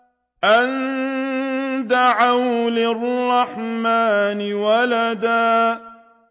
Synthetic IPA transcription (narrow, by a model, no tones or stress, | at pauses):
ʔan | d̪aʕawlɪrˤːɑħmaːnɪwalad̪aː